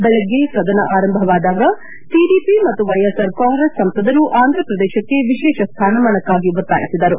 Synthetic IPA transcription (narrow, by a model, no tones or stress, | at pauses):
bɛlɐɡːeʃɾɐd̪ɐnɐʔaːɾɐmbʱɐʋaːd̪aːɡɐ | ʈiɖiːpimɐt̪ːuʋɐjesɐɾkoːŋɡɾɐssɐmpɐd̪ɐɾuʔaːnd̪ʱɾɐpɾɐd̪ɛːʃɐkːe̞ʋiʃɛːʃɐst̪ʰaːnɐmɐɳɐkːaːɡiʋɐɾt̪a̰ːjisid̪ɐɾu